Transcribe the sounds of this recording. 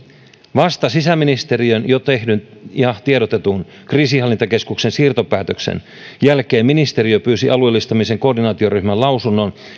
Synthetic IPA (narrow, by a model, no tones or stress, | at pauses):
ʋɑst̪ɑsisæminist̪e̞ɾiønjo̞t̪e̞hdynihɑt̪ieɾot̪e̞t̪un | kriːsihɑlːint̪ɑke̞skuksensiːrt̪o̞pæːt̪øksḛn | jælkeːmːinist̪e̞ɾiøpyːsiʔɑluelːist̪ɑmiseŋko̞ːrdinɑːt̪io̞ryhmælɑwsunːo̞n